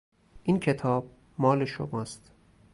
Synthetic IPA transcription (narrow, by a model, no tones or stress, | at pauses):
ʔincʰe̞t̪ʰɒːb̥̚ | mɒːleʃo̰mɒːst̪